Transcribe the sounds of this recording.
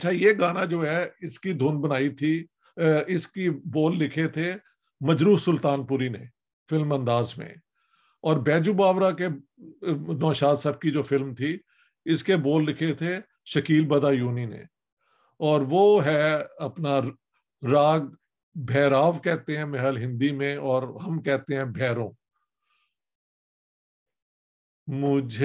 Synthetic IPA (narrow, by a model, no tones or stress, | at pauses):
ɐtːʃʰajeɡaːnad͡ʒoːɦɛɪskid̪ʱuːnbɐnaːit̪ʰi | ɪskiboːlːɪkʰet̪ʰe | mɐd͡ʒɾuːɾsʊlt̪aːnpʊɾinḛ | fɪlmɐ̃nd̪aːzmḛ̃ | ɔːɾbɛːd͡ʒubaːʋɾake | nɔːʃaːd̪səb̚kid͡ʒoːfɪlmt̪ʰi | ɪskeboːlːɪkʰet̪ʰe | ʃɐkiːlbɐd̪ajuːninḛ | ɔːɾʋoɦɛɐpna | ɾaːɡ̚ | bʱɛːɾaːʋkɛɦt̪eɦɛ̃mɛɦəlɦɪ̃nd̪imẽɔːɾɦɐmkɛɦt̪eɦɛ̃bʱɛːɾõː | mʊd͡ʒʱ